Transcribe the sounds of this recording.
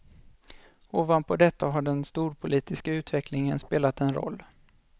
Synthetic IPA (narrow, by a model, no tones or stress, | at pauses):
oːvan̚pʰɔd̪ɛt̪ʰːaɦaɖɛnst̪uːɾpʰʊliːt̪ɪskaʉ̟ːt̪vɛkʰlɪŋənspeːlat̪ɛnɾɔ̰lː